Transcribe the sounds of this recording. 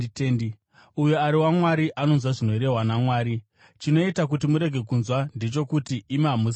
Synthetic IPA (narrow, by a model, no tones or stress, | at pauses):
n | ujoaɾiwamwaɾiʔano̞nzwaʐino̞eɾe̞ɦwanamwaːɾi | t͡ʃino̞itak̬utimuɾe̞ɡʱe̞kunzwandet͡ʃo̞kutiʔːmamus